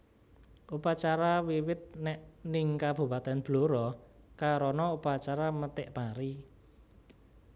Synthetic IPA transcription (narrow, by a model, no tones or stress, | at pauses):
ʔupat͡ʃaɾawiwɪt̪̚nɛʔnɪŋkab̥ṳpat̪ɛnb̥loɾɔkaɾɔnɔupat͡ʃaɾamət̪ɪʔpaɾi